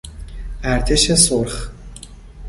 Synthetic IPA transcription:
æɾt̪ʰeʃesoɾχ

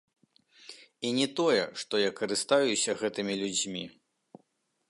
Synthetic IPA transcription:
inʲɛt̪ɔjɛʂt̪ɔjakɐɾɨst̪ajusʲɐɣɛt̪ɨmʲilʲud͡zʲmʲi

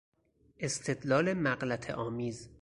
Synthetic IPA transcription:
ʔe̞st̪ʰe̞d̪lɒːlemæɢlæt̪ʰḛʔɒːmiːz

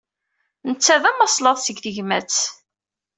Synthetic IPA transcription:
nət͡sːæðæmɑsˤlɑðˤsəɡðəʝmæt͡s

